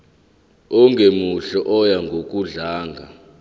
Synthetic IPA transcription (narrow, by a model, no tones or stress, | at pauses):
ɔŋɡʱemuɬɔʔɔjaŋɡʱok̬ʼuɮaːŋɡʱa